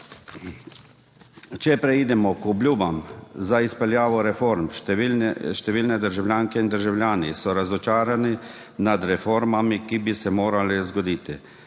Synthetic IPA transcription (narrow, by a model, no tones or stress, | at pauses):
t͡ʃɛpɾɛid̪ɛmɔkɔbljuːbamzaispɛljaːʋɔɾɛfoɾmʃ | ʃt̪ɛʋiːlnɛd̪əɾʒawlʲjaːŋkɛind̪əɾʒawlʲjaːnisɔɾazɔt͡ʃaːɾani | nad̪ɾɛfoɾmamikibisɛmoːɾalɛzɡɔd̪iːt̪i